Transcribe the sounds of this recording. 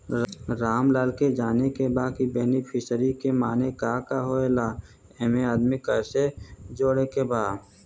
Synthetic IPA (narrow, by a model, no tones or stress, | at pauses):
ɾaːmlaːlked͡ʒaːnekebaːkibeːnipʰɪsəɾikemaːnekaːkaɦoelaː | ɛmeaːd̪mikəɾsed͡ʒoːɽekebaːd̪